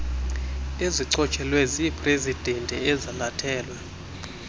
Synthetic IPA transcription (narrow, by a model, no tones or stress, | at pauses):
eziǀɔt͡ʃʼɛlwɛzipʰʼresid̥ʱentʼɛɛzalatʰɛːlwɛ